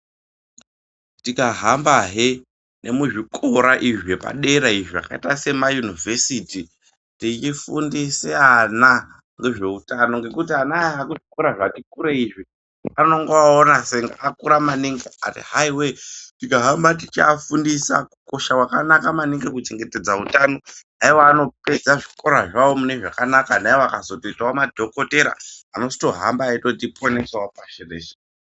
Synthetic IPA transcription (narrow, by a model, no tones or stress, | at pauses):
tikaɦambaɦe | nʔe̞muʐikʰoɾaʔiʐepa̰ɗe̞ɾaiʐia̰ka̰itase̞majunivʱesiti | tit͡ʃifundiseana | ŋɡe̞ʐe̞utano̞ŋɡe̞kutianaakuʐikoɾaʐatikuɾeiʐi | ano̞ŋɡoaonaseŋɡaʔakuɾamaniŋɡea̰tḭɦaiwetikaɦambatit͡ʃa̰fundisa̰kuko̞ʃakwakanakamaneŋɡekut͡ʃe̞ŋɡete̞d͡zautano̞naiwaːno̞pe̞zaʐiko̞ɾaʐawomune̞ʐakanakanaiwaakazo̞toitawamadʱo̞ko̞te̞ɾa̰ano̞sto̞ɦa̰mbaːitotiponesawapaʃerḛːʃe̥